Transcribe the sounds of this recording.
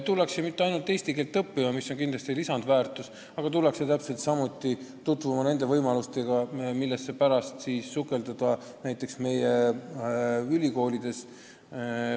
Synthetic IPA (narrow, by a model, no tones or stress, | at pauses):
t̪ulːeksemit̪ːe̞ɑjnult̪ːˑe̞jsʲt̪ikeːlt̪ːɤpːimɑmisːo̞nkind̪lɑst̪ilisɑnd̪væːrt̪ˑus | ɑɡ̥ɑt̪ulekset̪æpse̞lt̪sɑmut̪ˑːit̪ut̪vumɑne̞nd̪e̞vɤjmɑlust̪e̞ɡ̥ɑmilːesːe̞pæɾɑst̪siːsːukːˑe̞ld̪̥ɑd̪̥ɑ | næjt̪ːˑe̞ksme̞je | ylʲiko̞ːlid̪̥e̞s